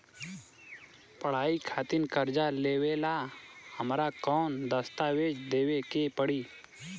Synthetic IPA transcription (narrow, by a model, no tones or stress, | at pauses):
pəɽ̤aːikʰaːt̪ɪnkəɾd͡ʒaleːweːlahəmɾakɔːnd̪əst̪aːweːd͡ʒd̪eːwekepəɽiː